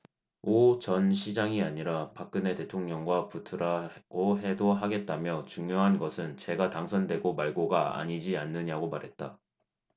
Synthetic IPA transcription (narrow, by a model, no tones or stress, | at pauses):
ot͡ɕʌnɕʰid͡ʑaŋiaɲiɾapak̚k͈ɯne̞te̞tʰoŋɲʌŋɡwaputʰɯɾaɡoɦe̞doɦaɡe̞t̚t͈amjʌt͡ɕuŋjoɦanɡʌsʰɯnt͡ɕe̞ɡataŋsʰʌndwe̞ɡomaɭɡoɡaa̰ɲid͡ʑianːɯɲaɡomaɾɦe̞t̚t͈a